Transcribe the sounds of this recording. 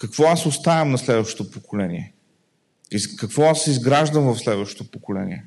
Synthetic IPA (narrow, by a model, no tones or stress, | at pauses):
kəkvɔasost̪avɛmnɐslɛd̪vɐʃt̪o̥t̪opokolɛniɛ | izkɐkvɔasːizɡɾaʒd̪əmvɐfslɛd̪vəʃt̪o̥t̪opokolɛ̰nḭɛ